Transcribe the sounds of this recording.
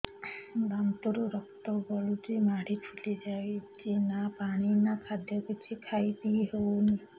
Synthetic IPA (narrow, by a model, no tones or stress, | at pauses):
b̪amt̪ɔɾuɾɔkt̪ɔbɔlutimaɽ̤ipʰulid͡ʒawid͡ʒenapaɽ̃inakʰad̪ʱjɔkit͡ʃʰikʰajt̪iɦewni